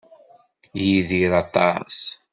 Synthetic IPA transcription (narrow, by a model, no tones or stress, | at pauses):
jiðiɾɑt̪ˤɑ̰s